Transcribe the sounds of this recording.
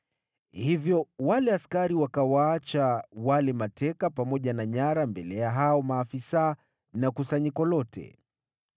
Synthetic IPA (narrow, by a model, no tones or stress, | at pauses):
hivjɔwalɛaskaɾiwakawaat͡ʃawalɛmatɛkapamɔʄanaɲaɾambɛlɛjaɦaɔmaːfisa | nakusaɲikɔlɔtʰɛ̰